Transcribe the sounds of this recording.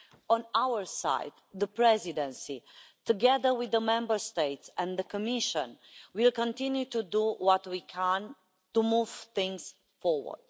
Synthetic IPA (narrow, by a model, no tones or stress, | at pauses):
ɔ̃nawəɹsa̰ɪd̪ðəpɹɛzidɛ̃nsit̪uɡɛðə˞wiðəmɛ̃mbə˞st̪eɪtsɛ̃nðəkɔmiʃə̃nwilkɔ̃nt̪ĩnjut̪ud̪uwɔt̪wikʰæ̃n | tumuv̥θɪ̃ŋz̥ | fɔɹwə̰d̪̥